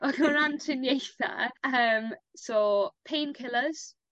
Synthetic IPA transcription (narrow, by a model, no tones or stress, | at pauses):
ɔɡəɾantʰrɪnjejθa̰əːmsɔːpʰeːnkʰɪlˠəz̥